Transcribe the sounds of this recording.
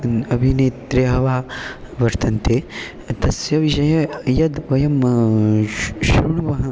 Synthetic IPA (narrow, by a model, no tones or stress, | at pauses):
ɐbʱineːt̪ɾeɦɐʋaː | ʋɐɾt̪ɐnt̪eː | t̪ɐsjɐʋiʃɐjɐjɐd̪ʋɐjɐm | ʃuɳuʋɐɦɐ̃